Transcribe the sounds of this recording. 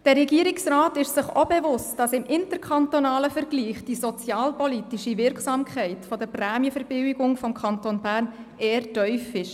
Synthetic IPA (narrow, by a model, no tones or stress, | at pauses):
d̥ɛɾɛɡiːəɾɪksraːtɪʃsɪχobɛvʊstd̥ɑsɪmʔɪntəɾkʰχɑntonɑːləfəɾɡ̥liːχd̥isɔt͡sjɑːlpɔlitiʃivɪɾksɑːmkʰχɛɪtfɔd̥əɾprɛːmjəfəɾb̥ɪwɪɡʊŋfɔmkʰɑntonbæːɾn | eːəɾtœʏfɪʃ